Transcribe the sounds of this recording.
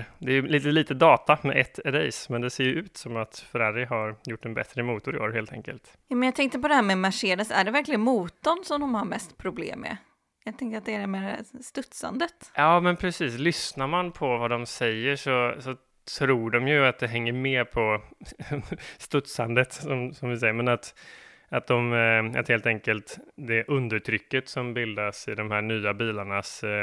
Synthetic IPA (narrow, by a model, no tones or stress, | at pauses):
d̪ɛːjɵliːt̪əliːt̪əd̪ɑːt̪amɛ̰ʔɛt̪ʰːɛd̪ɛ̰jsmɛnd̪ɛseːɾjɵʉ̟ːt̪sɔmat̪fœɾɛɾəɦaɾjʊʈːɛnbɛ̰t̪ɾəmuːt̪ʊɾɪo̰ːɾɦeːlt̪ʰɛ̰ŋkə̰lt̪ | juːmɛnjɑt̪ʰɛŋk̚t̪əɾpɔd̪ɛhæːɾmɛmaʂeːd̪əsæ̰ɖɛvæɾklɪɡənmuːt̪ɔnsɔmd̪ɔmhaɾmɛst̪pʰɾʊblḛːmːɛ̰ | jɑːt̪ʰɛŋk̪əɾat̪̚d̪ɛæɖɛmeːɾ̰st̪ɵt̪sa̰nd̪ət̪jɑːmɛnpʰɾɛsiːslʏsnaɾmanpʰɔvad̪ɔmsɛjːəʂɔsɔ | t̪ʰɾuːɖɔmjɵat̪̚d̪ɛɦɛŋːəɾmeːɾpʰɔ | st̪ɵt̪sand̪ət̪sɔmsɔmvɪsɛjːəɾmɛnat̪ | at̪̚d̪ɔma̰t̪heːlt̪ɛŋkəlt̪d̪ɛʔɵnd̪əʈʰɾʏkːət̪sɔmbɪld̪asɪd̪ɔmhæːɳyːabiːlaɳas